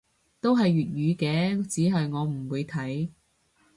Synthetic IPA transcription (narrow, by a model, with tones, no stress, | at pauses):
t̪o˥wɦɐ˨jːyː˨t̚jyː˨˧kɛː˨˧t͡siː˨˥ɦɐ˨jŋɔː˨˧m̩˨˩wuː˨˧jt̪ʰɐ˨˥j